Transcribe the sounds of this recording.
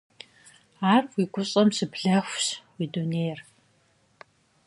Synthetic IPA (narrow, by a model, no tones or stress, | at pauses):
aːrwiːɡʷʊɕʼɐmsɨpʰɮɐxʷɕwiːduneːr